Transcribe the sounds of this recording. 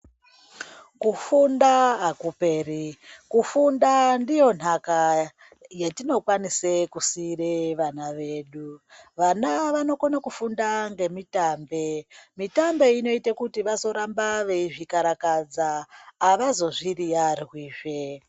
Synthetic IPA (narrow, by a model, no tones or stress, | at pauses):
kufundaɦakupe̞ːrikufundandijo̞n̤aka | jetino̞kwanisekusireʋanaʋe̞ːɗuʋanaʋano̞konakufundaŋɡe̞mitaːmbe̞mitambe̞ino̞itakutiʋazo̞ɾambaʋeiʐikaɾakad͡zaːʋazo̞ʐirijarwiːʐe̞